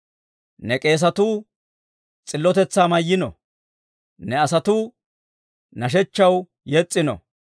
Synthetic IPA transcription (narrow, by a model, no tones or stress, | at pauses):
nɛkʼe̞ːs̬ɐt̪uː | t͡sʼɪlːɔt̪ɛt͡sːaːmɐjːɪnɔ̰ | nɛɐsɐt̪uː | nɐʃ̬ɛt͡ʃːɐw | jɛt͡sʼːɪnɔ̰